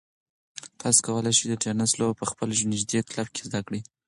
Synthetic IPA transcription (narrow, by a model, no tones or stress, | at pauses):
t̪ɑso̥kawəlajʃid̪əʈenaslobpəxpəlʒnɪʒd̪et̪labke̥zd̪akɽi